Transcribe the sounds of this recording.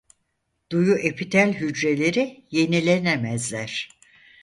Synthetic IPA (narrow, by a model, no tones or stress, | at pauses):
d̪̥ujuʔe̞pʰit̪ʰælʲɦyd͡ʒɾe̞lʲe̞ɾije̞nilʲenemæzlʲæɾ̝̥